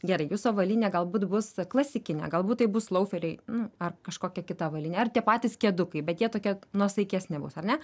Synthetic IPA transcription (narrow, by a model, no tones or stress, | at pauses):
ɡʲɛɾɐɪjuːsoːʋɐlʲiːnʲeːɡɐlˠbuːt̪bʊsklˠɐsʲɪkʲɪnʲɛ̰ɡɐlˠbuːt̪tɐɪbʊslˠɐʊfʲɛɾʲɛɪnʊɐrkɐʃkoːkʲɛkʲɪt̪ɐʋɐlʲiːnʲeːɐrt̪ʲiɛpɑːt̪ʲiːskʲiɛd̪ʊkɐɪbʲɛt̪jiɛt̪oːkʲiɛnuɔsɐɪkʲɛsʲnʲɪbʊ̰sɐrnʲɛ